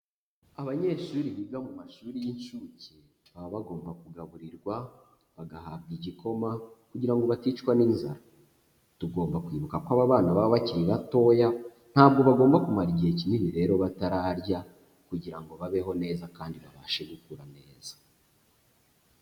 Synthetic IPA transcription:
aβaɲe̞ːʃuːɾiβiɡamumaʃuːɾijinʃuːce | βaβaβaɡo̞ːmbakuɡaβuɾiɾɡwa | βaɡahab̚ɡiɟikʰo̞makuɟiɾaŋɡo̞βatiːt͡ʃkwaniːnza̰ɾa | tuɡo̞ːmbakwiːβukakwaβaβaːnaβaaβaciɾiɾato̞ja | n̥haːb̚ɡo̞βaɡo̞ːmbakumaɾiɟiecininiɾe̞ɾo̞βataɾaːɾɟa | kuɟiɾaŋɡo̞βaβe̞ɦo̞ne̞ːzakaːndiβaβaːʃe̞ɡukuɾane̞ːz̥ḁ

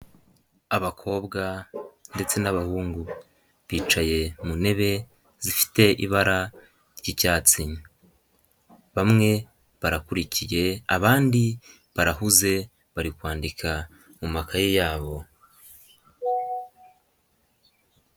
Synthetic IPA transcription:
aβakʰo̞ːbɡande̞t͡se̞naβahuːŋɡu | βiːt͡ʃaje̞mune̞βe̞ | z̥ifi̥te̞ʔḭβaɾa | ɾɟicaːt͡siɲa | βamŋe̞ | βaɾakuɾicije̞aβaːndi | βaɾaɦuze̞ | βaɾikwaːndikʰa | mumakajejaːβo̞

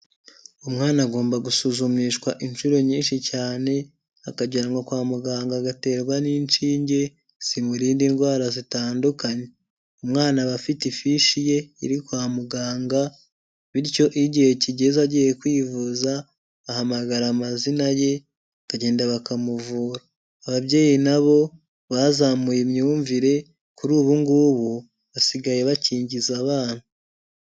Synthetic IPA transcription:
umŋaːnaɡo̞ːmbaɡusuzumiʃkwaʔinʃuɾo̞ɲiːnʃicaːne̞ | akaɟaɾaŋɡokwaːmuɡaːŋɡaɡate̞ːɾwaniːnt͡ʃiːɲɟe̞ | simuɾiːndinɡwaːɾazitaːndukaɲe̞ | umŋaːnaβafitifiʃije̞ḭɾikwaːmuɡaːŋɡa | βiɾco̞ʔiɟihe̞ciɟe̞zaɟijekwiːvuza | βahamaɡaɾamazinaje̞ | βaɟe̞ːndaβakamuvuːɾaː | βaβɟe̞ːjinaβo̞ | βazamujemɲuːɱviɾe̞ | kuɾuːβuŋɡuːβu | βasiɡaje̞βaciːɲɟizaβaːn̥hu

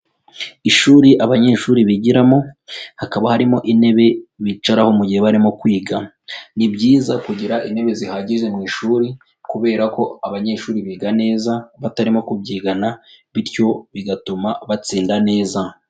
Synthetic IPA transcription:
iʃuːɾiʔaβaɲe̞ːʃuːɾiβiɟiɾamo̞hakaβahaɾimo̞ʔine̞βe̞βit͡ʃaɾaho̞muɟiheβaɾimo̞kwiːɡa | nibɟiːzakuɟiɾaʔine̞βe̞zihaɟiʒe̞mŋiːʃuːɾi | kuβe̞ːɾako̞aβaɲe̞ʃuːɾiβiːɡane̞ːzaβataɾimo̞kubiːɡanaβiɾco̞βiɡatumaβat͡siːndane̞ːza

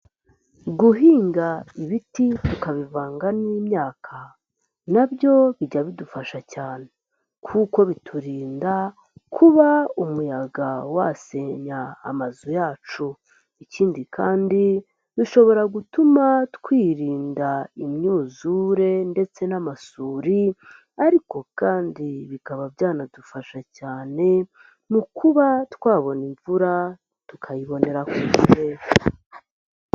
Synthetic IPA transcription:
ɡuɦiːŋɡaiβititukaβivaːŋɡaniːmɲaːkʰa | nabɟo̞βiɟaβidufaʃacaːne | kʰuːko̞βitʰuɾiːnda | kʰuβaumujaɡawase̞ːɲa̰ːmazujaːt͡ʃu | iciːndikʰa̰ːndi | duʃo̞βo̞ɾaɡutumatkwiːɾiːndaimɲuːzuɾe̞nde̞t͡se̞namasuːɾi | aɾiko̞kaːndiβikaβabjaːnadufaʃacaːne̞ | mukʰuβatkwaːβo̞niɱvuɾa | tukʰajiβo̞ne̞ɾakuuɾea

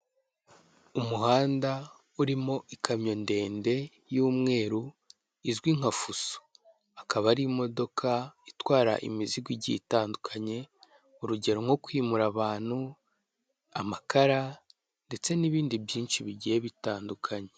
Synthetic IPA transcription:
umuɦaːnda | uɾimo̞ʔikʰamɲo̞nde̞ːnde̞ | juːmŋe̞ːɾu | izɡwiŋ̥afuso̥ | akaβaɾimo̞do̞kʰaitwaːɾa̰ʔḭmiziɡwiɟḭtaːndukʰaɲe̞ | uɾuɟe̞ɾoŋo̞kwiːmuɾaβaːn̥hu | amakaɾa | nde̞t͡se̞niβiːndibjiːnʃiβiɟijeβitaːndukʰaɲe̞

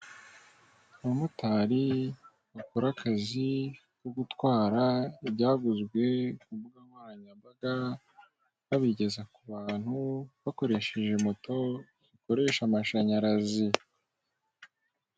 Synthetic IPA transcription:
aβamutaːɾi | βakoɾakʰazi | koɡutwaːɾaibɟaːɡuzɡwe̞kuβuɡamwaːnaɲambaɡa | βaβiɟe̞zakuβaːn̥huβako̞ɾe̞ʃeʒemo̞to̞ | ziko̞ɾe̞ʃamaʃaɲaɾazi

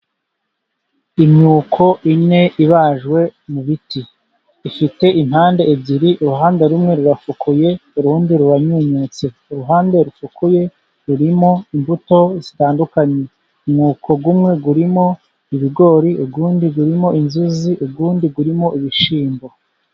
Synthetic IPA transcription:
imɲuːkʰo̞ʔine̞ʔiβaʒɡwe̞muβitiː | fite̞ʔinhaːndeebɟiɾiʔuɾuɦaːndeɾumŋe̞ɾuɾafukʰujeuɾuːndiɾuɾaɲuɲut͡se̞ | uɾuɦaːndeɾufukuje̞ | ɾuɾimo̞imbuto̞zitaːndukaɲe | imŋuːkʰo̞ɡumŋe̞ɡuɾimo̞ | iβiɡo̞ːɾiuɡuːndiɡuɾimo̞ʔinzuziʔubɡuːndiɡuɾimo̞ʔiβiʃiːmbo

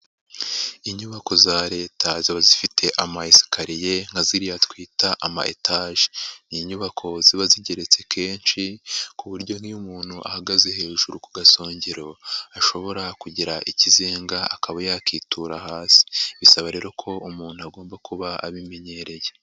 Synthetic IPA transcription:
iɲuβako̞zaɾe̞ːtʰaziβazifitʰe̞ʔamaisi̥kaɾije̞ŋ̥haziɾijatwiːtaʔama̰ʔḛtʰaːʒi̥niːɲuβakʰo̞ziβaziɟe̞ɾe̞t͡se̞kʰe̞ːnʃikuβuɾɟo̞nhiumuːn̥huʔa̰haɡaze̞he̞ːʒuɾukuɡasoːɲɟeɾo̞aʃo̞βo̞ɾakuɟiɾaʔicizeːŋɡa̰ːkaβajakiːtʰuɾahaːsi̥βisaβaɾe̞ːɾo̞kʰo̞umuːn̥uaɡo̞ːmbakʰuβaa̰βime̞ɲe̞ɾe̞je̞

